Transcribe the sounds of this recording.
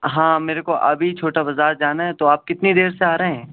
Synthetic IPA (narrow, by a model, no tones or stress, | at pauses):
ɦãːmeːɾekoʔɐ̰bʱit͡ʃʰoːʈabɐzaːɾd͡ʒaːnaɦɛt̪oaːp̚kɪt̪nid̪eːɾseaːɾɐɦɛ̃ː